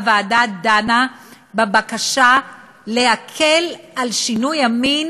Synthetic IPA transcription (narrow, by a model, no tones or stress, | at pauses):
vaːdad̪ana | bebakaʃa | leakʰelalʃinujamin